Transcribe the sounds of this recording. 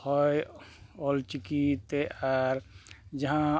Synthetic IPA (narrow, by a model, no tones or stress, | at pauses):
hɔjɔlt͡ʃikit̪eʔaɾd͡ʒɐɦã